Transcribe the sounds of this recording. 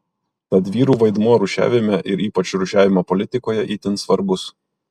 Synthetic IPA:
t̪ɐt̪ʋʲiːɾuːʋɐɪd̪muɔɾʊʃʲæ̰ːʋʲɪmʲɛʔɪɾiːpɐt͡ʃɾʊʃʲæːʋʲɪmopɔlʲɪt̪ʲɪkoːjɛʔiːt̪ʲɪnsʋɐɾbʊs

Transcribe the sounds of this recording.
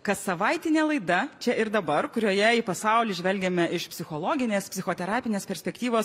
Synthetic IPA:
kɐt̪sɐʋɐɪt̪ʲɪnʲeːlˠɐɪd̪ɐt͡ʃʲɛɪɾd̪ɐbɐrkʊɾʲoːjɛipɐsɑʊlʲiːʒʲʋʲɛlʲɡʲɛmʲɛɪʃpʲsʲɪxoːlˠoːɡʲɪnʲeːspʲsʲɪxoːt̪ʲɛɾɑːpʲɪnʲeːspʲɛɾʲsʲpʲɛkt̪ʲiːʋoːs

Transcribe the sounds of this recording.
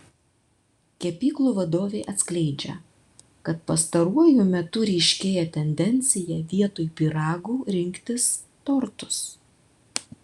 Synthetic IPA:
kʲɛpʲiːklˠuːʋɐd̪oːʋʲeːʔɐt̪ʲsklʲɛɪd͡ʒʲɛ̰ | kɐt̪̚pɐst̪ɐɾuɔjumʲɛt̪ʊɾʲɛɪʃʲkʲeːjɛt̪ʲɛnʲd̪ʲɛnʲt̪sʲɪjɛʋʲiɛt̪oːjpʲiɾɑːɡuːɾʲɪŋʲkt̪ʲɪs | t̪ɔɾt̪ʊs

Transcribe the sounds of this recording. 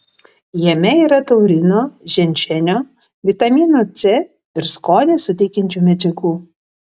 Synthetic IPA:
jɛmʲɛiɾɐt̪oʊɾʲɪnoʒʲɛnʲt͡ʃʲɛnʲo | ʋʲit̪ɐmʲinot͡s̪ʲɛ | ɪɾskɔːnʲesʊt̪ʲɪkʲɪnʲt͡ʃʲumʲɛd͡ʒʲɛkuː

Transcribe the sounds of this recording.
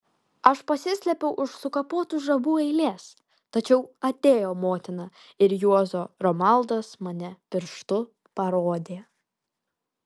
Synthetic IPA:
ɐʃpɐsʲɪsʲlʲɛpʲɛʊʔɪʃsʊkɐpuɔt̪uːʒɐbuːɛɪlʲeːs | t̪ɐt͡ʃʲɛʊɐt̪ʲeːjoːmoːt̪ʲɪnɐ | ɪɾjuɔzoːɾomɐlˠd̪ɐsmɐnʲɛpʲɪɾʃt̪ʊ | pɐɾoːd̪ʲeː

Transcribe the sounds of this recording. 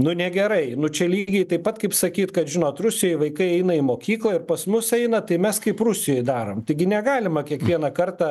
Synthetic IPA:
nʊnʲɛɡʲɛɾɐɪnʊt͡ʃʲɛlʲiɡʲɛɪt̪ɐɪpɐt̪kɐɪpsɐkʲiːt̪kɐt̪ʒʲɪnoːt̪rʊsʲɪjoːjʋɐɪkɐɪɛɪnɐɪmoːkʲiːklˠɐɪɾpɐsmʊsɛɪnɐt̪ɐɪmʲɛskɐɪpɾʊsʲɪjoːjd̪ɑːɾoːmt̪ɐɪɡʲɪnʲɛɡɑːlʲɪmɐkʲiɛkʋʲiɛnɐkɐrt̪ɑ

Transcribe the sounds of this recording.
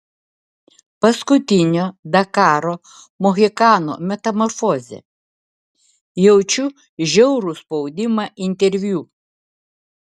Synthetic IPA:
pɐskʊt̪ʲɪnʲoːd̪ɐkɑːɾoː | mʊɣʲɪkɑːno̰ːmʲɛt̪ɐmɔɾfɔːzʲɛ̰ | jɛʊt͡ʃʲʊ | ʒʲɛʊɾuːspɔʊd̪ʲɪmɑʔɪnʲt̪ʲɛɾʲʋʲjuː

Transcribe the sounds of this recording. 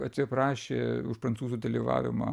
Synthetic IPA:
ɐt̪ʲsʲɪpɾɑːʃʲeːʊʃpɾɐntsuːzuːd̪ɐlʲiːʋɑ̰ːʋʲɪ̰mɐ̰

